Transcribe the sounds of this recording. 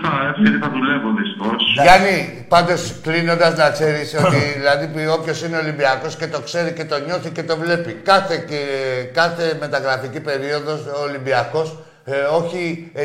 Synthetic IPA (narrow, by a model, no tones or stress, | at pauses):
θɐefθeɾiθɐðulevoðist̪i̥xo̞sʝɐni | pɐnd̪o̞sklino̞nd̪ɐznɐkse̞ɾiso̞tt̪iðilɐðio̞pço̞sine̞o̞limbiɐko̞sce̞t̪o̞kse̞ɾice̞t̪o̞ɲo̞θice̞t̪o̞vle̞pikɐθe̞kɐθe̞me̞t̪ɐɣɾɐficipe̞ɾio̞ðo̞soːlimbiɐko̞s | o̞çi